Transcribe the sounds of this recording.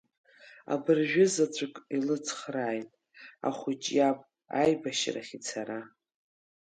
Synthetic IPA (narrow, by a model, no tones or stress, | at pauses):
a̰bɨrʒᶣʊzat͡sʷʰʼakʼilɨt͡sʰχraːjtʼ | a̰χʷʊt͡ʃʼjapʼ | ajbaʃraχʲit͡sʰaɾa